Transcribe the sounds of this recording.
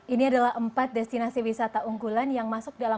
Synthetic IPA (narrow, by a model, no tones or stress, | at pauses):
ʔiniadalaɦʔəmpat̪̚dɛst̪inasiwisat̪aʔuŋɡulanjaŋmasʊk̚dala